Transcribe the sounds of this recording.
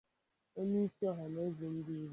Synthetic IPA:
o˦ni˦i˦si˦ɔ˦ɦɔ˨no˦ze˨n̩˦di˦ɾ

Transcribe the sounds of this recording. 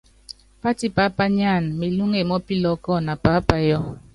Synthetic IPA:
pa˦ti˦pa˨˦pa˦ɲ˦a˦˨n˨mi˨lu˦ŋe˨mɔ˦pi˦lɔ˨˦kɔ˦˨na˨pa˨˦pa˨jɔ˦

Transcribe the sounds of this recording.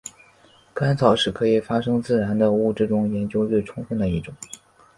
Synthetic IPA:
ka˥nt͡sʰɑ˨˩ʊʂɻ̩˨˩kʰɤ˧˥i˨˩fa˥ʂɤ˥ŋt͡sɹ̩˥˩ɻa˧˥nd̪ə˧u˥˩ʈ͡ʂɻ̩˥˩ʈ͡ʂʊ˥˩ŋjɛ˧˥nt͡ɕjo˥ʊɻwe˥˩ɪʈ͡ʂʰʊ˥ŋfə˥˧nd̪ə˩i˥˩ʈ͡ʂʊ˨˩˦

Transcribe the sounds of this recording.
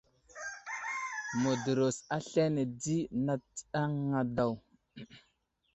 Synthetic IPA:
mo˨də˨ɾo˨sa˦ɬe˦ne˨di˦na˦t͡sa˦ŋa˨da˨w

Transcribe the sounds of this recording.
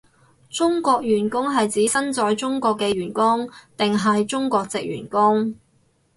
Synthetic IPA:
t͡sʊ˥ŋkɔː˧k̚jyː˨˩nkʊ˥ŋɦɐ˨jt͡siː˨˥sɐ˥nt͡sɔː˧jt͡sʊ˥ŋkʷɔː˧kːɛː˧ɥyː˨˩nkʊ˥ŋt̪ɪ˨ŋɦɐ˨jt͡sʊ˥ŋkʷɔː˧k̚t͡sɪ̰˨k̚jyː˨˩nkʊ˥ŋ

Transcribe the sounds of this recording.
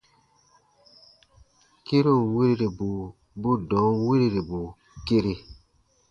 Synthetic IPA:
ke˦ɾo˦˨we˦ɾe˦ɾe˨bu˨ | bu˦dɔ̃˨˦ŋ˦we˦ɾe˦ɾe˨bu˨ | ke˦ɾe˦˨

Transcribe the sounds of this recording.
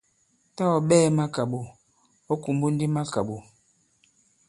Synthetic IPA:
ta˦ɔ˨ɓɛː˦˨˦ma˦ka˨ɓu˨ | ɔ˦ku˨mbu˦n̩˦di˦ma˦ka˨ɓu˨

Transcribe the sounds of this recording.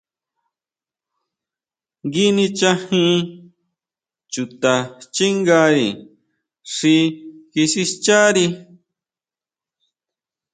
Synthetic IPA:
ŋɡi˦nĩ˧t͡ʃa˦hĩ˦ʔ | t͡ʃu˧t̪a˧t͡ʃi˦ŋɡa˧ɾi˨ | ʂi˧ki˧ʃi˧st͡ʃa˦ɾi˧

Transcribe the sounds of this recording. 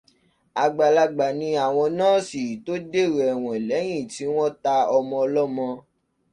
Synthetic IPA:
a˧ɡ͡ba˨la˧ɡ͡ba˨nĩ˧˦a˨w̃ɔ̃˧nãː˦si˨to˦de˦˨ɾɛ˨ɛ˨w̃ɔ̃˨lɛ˨˦j̃ĩ˦˨ti˨˦w̃ɔ̃˦ta˧ɔ˧mɔ̃˧ɔ˧lɔ˦mɔ̃˧

